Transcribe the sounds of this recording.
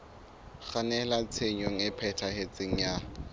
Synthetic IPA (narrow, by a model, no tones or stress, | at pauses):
χanɛlat͡sʰeɲoŋ̩ɪpʰɛtʰahet͡sʼeŋ̩ja